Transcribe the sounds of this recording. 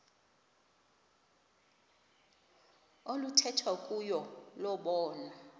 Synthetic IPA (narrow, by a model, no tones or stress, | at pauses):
olutʰɛtʰwakʼujɔlɔɓɔːna